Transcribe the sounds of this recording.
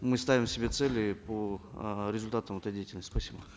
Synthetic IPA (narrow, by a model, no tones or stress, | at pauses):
mɨst̪avʲɪmsʲɪbʲet̪sɛlʲɪpoɾʲɪzʊlʲt̪at̪əmɛt̪əjdʲejtʲɪlʲnəsʲt̪ʲspɐsʲibə